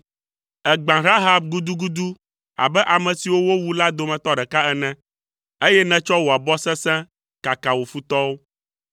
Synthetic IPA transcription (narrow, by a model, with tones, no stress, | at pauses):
ɛ˨ɡ͡bã˨ɾa˦ɦa˨bɡu˦d̪u˦ɡu˦d̪u˦ | a̰˨bɛ˦ʔa˨mɛ̃˨si˨wo˦wo˦wu˦la˦d̪o˨mɛ̃˨t̪ɔ˦ɖɛ˨ka˦ɛ˦nɛ̃˦ | e˦jɛ˦nɛ̃˨t͡ʃɔ˦wo˨a˨bɔ˦sɛ̃˦sɛ̃˦ | ka˨ka˨wo˨fu˦t̪ɔ˦wo˦